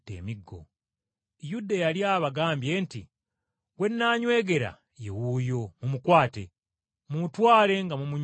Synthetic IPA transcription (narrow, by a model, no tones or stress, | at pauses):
tḛːmiɡːo̰ | judajaljaːβaɡaːmbje̞ːntḭ | ɡwe̞nːaːɲwe̞ːɡe̞ɾa̰ | je̞wujo̞mumukwaːte̞ | mumutwaːle̞ŋɡamumuɲ